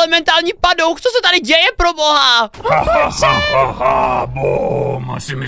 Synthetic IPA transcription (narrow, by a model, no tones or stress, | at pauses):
lɛmɛnt̪aːlɲiːpadowxt͡sosɛt̪adɪɟɛjɛpɾoboɦa | aboma̰sɪmɪ